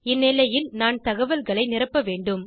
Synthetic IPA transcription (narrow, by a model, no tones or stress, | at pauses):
ɪnːɪlɐjɪlnaːnt̪ɐɣɐʋɐlɣɐɭɐɪnɪrɐpːɐʋeːɳɖɯm